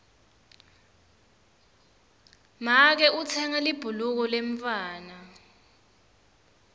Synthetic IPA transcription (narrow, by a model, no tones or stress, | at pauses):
mak̬ɛʔut͡sʰɛŋalib̥ʱuluk̬ɔleɱfaːna